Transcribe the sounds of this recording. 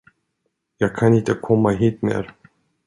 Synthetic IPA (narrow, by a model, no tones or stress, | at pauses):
jɑːɡ̚kʰanɪnt̪əkʰɔmːaɦiːt̪mḛːɾ